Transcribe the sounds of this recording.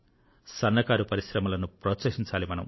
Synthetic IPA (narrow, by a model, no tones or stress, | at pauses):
sɐnːɐkaːɾupɐɾiʃɾɐmɐlɐnupɾɐːsɐkʂiɲt͡ʃaːlimɐnɐ̰m